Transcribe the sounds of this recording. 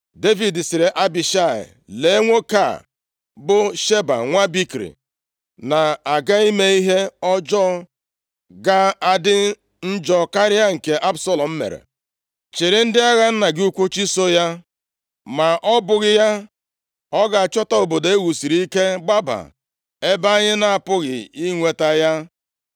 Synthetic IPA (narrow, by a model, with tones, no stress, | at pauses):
de˦vi˨dsɪ˨ɾe˨ʔa˦bi˨ʃa˦˨ɪ̰˨ | le˨e˦ŋʷo˦ka̰˦˨ | bʊ˦ʃe˦ba̰˨ŋʷa˦bi˦kɾḭ˨ | na˨a˨ɡa˦i˦me˦i˦ɦe˦ɔ˦d͡ʒɔ˦ | ɡa˦a˦dɪ˦ | n̩˦d͡ʒɔ˦˨ka˦ɾɪ˦a˦ŋ̩˨ke˨ʔa˦bsɔ˨lɔ˨m̩˦mḛ˨ɾḛ˨ | t͡ʃɪ˨ɾɪ˦n̩˦dɪ˦a˦ɣa˦n̩˦na˨ɡɪ˦u˦kʷu˦t͡ʃi˦so˦ja˦ | ma˨ʔɔ˦bʊ˨ɣɪ˦ja˦ | ɔ˦ɡa˨a˨t͡ʃɔ˦tɔ˦o˨bo˨de˦wu˨si˨ɾi˦i˦ke˦ɡ͡ba˦ba̰˨ | e˦ba˦ɲɪ˦na˨a˨pʊ˦ɣɪ̰˨i˦ŋʷe˨ta˦ja˦